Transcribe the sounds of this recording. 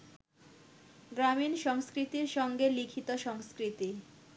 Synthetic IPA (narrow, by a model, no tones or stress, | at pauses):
ɡɾaminʃɔŋskɾit̪iɾʃɔŋɡelikʰit̪oʃɔŋskɾit̪i